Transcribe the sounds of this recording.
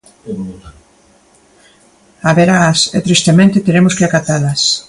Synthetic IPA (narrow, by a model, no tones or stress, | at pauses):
aβeɾasḛt̪ɾist̪emẽnt̪ɪt̪eɾemʊskɪakat̪alɐs